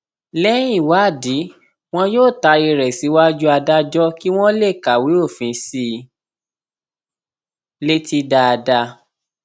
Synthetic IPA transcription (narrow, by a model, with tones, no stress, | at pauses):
lɛ̃˦ĩ˦˨wa˨˦˨di˨˦ | w̃ɔ̃˦joː˦˨ta˧i˧ɾɛ˨si˨˦wa˦d͡ʒu˦a˧da˦d͡ʒɔ˦ki˦w̃ɔ̃˦le˦˨ka˨wi˨˦o˦˨fĩ˨˦si˦˧ | le˦ti˦da˧a˧da˧